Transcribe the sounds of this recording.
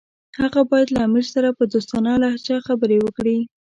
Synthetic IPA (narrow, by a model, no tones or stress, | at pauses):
haɣabɑjad̪laːmiɾsaɾapəd̪ost̪ɑnɑlaht͡ʃaxabəɾewəkɽi